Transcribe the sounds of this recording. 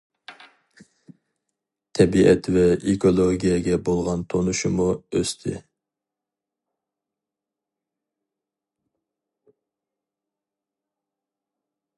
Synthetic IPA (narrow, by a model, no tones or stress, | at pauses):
t̪ʰɛbiʔɛt̪ʰvɛikʰolˠoɡʲijɛɡʲɛbolˠʁɑnt̪ʰonuʃumuøst̪ʰɪ